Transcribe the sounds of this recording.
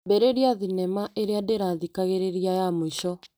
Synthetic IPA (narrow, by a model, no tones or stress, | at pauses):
bɛɾeɾiaðinɛmaʔeɾeadeɾaðikaɣeɾeɾiajamoiɕɔ